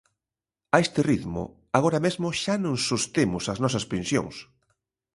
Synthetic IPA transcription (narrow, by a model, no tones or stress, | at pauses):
aest̪ɪriðmʊ̰ | aɣ̞oɾɐmezmʊʃanõŋsost̪emʊsɐznɔsɐspẽnsjo̰ŋs